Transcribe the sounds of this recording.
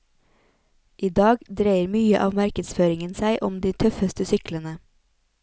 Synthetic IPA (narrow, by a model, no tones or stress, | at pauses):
ʔiːd̪ɑːɡd̪ɾeɪəɾmyːəʔɑːʋmæɾkəd̪sføːɾɪŋənsæɪʔɔmd̪iːt̪ʰœfəst̪əsʏklənə